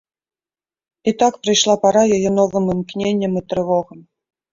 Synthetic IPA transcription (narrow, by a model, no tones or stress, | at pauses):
it̪akpɾɨjʂlˠapaɾajajɛnɔvɨmɨmknʲenʲːɐmit̪ɾɨvɔɣɐm